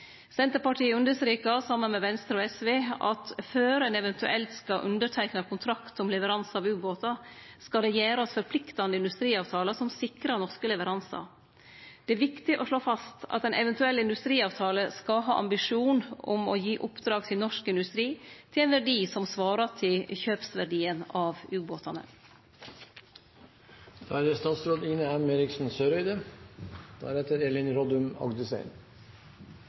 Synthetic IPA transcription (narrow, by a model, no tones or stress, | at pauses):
sɛnt̪əɾpɑʈʰiːɪʉnd̪əsɾiːkɑsɑmːənmɛʋɛnst̪ɾəoːɛsʋeːɑt̪føːɾɛnɛʋɛnt̪ʉ̰ʔɛlt̪skɑʔʉ̰nd̪əʈʰæɪknɑkʰʊnt̪ʰɾɑkt̪ɔmlɛʋəɾɑnsɑʋʉːboːt̪ɑskɑd̪ɛjæːɾɑsfɔɾpʰlɪkt̪ɑnd̪əɪnd̪ʉst̪ɾiːɑːʋt̪ʰɑːləsɔmsɪkɾɑnɔʂkəlɛʋəɾʔɑnsɑ̰ | d̪̥ɛæʋɪkt̪ɪʔɔʂɭoːfɑst̪ɑ̰t̪ɛnɛʋɛnt̪ʉɛlːɪnd̪ʉst̪ɾiːɑːʋt̪ʰɑːləskɑɦɑ̰ːʔɑ̰mbɪʂuːnʊ̰mɔ̰jiːʔʊpd̪ɾɑːɡ̚t̪ʰɪlnɔʂkɪnd̪ʉst̪ɾiːt̪ʰɪlɛːnʋæɖiːsɔmsʋɑːɾɑt̪ʰɪlçøːpsʋæɖiːənɑːʋʉːboːt̪ʰɑnə̰ | d̪̥æːɾd̪əst̪ɑːt̪sɾoːd̪iːnəæmeːɾɪksn̩søːɾœʏd̪ə | d̪̥æ̰ːɾɛt̪əɾelɪnɾɔd̪ʉmɑ̰ɡd̪əsæ̰ɪn